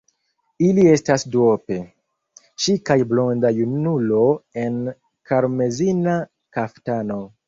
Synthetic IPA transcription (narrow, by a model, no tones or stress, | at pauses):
ilie̞stasdope̞ | t͡ʃikajblo̞ndajunulo̞e̞n | kaɾme̞zina | kaftano̞